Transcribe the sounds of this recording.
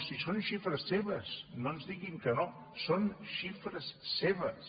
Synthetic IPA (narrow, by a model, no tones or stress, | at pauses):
sisonʃifɾəsːeβəsnonzðiɣiŋkəno | sonʃifɾəsːeβəs